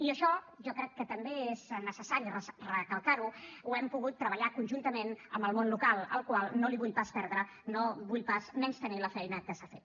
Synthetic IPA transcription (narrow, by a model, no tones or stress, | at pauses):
iəʃɔ | ʒɔkɾɛkːət̪əmbeeznəsəsaɾirəsrəkəlˠkaɾuuɛmpuɣut̪ːɾəβəʎakunʲʒunt̪əmenəmbəlˠmonlukalˠə̰lˠkwalˠnoliβuʎpaspɛɾðɾə | noβuʎpasmɛnst̪əniləfɛjnəkəsafet̪